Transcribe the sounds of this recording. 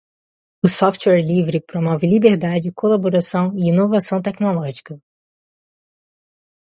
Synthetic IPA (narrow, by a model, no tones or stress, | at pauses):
ʊsɔft͡ʃwɛɾlivɾɪpɾomɔvɪlibeɾd̪ad͡ʒɪkolaboɾasɐ̃w̃ɪinovasɐ̃w̃t̪ɛknolɔʒikɐ